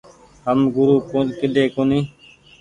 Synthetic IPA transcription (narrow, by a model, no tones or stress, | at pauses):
həmɡʊɾuːpoːkɪɗeːkonĩː